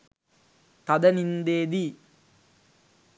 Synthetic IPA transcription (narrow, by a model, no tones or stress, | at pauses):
t̪ɐd̪ɐnind̪eːd̪i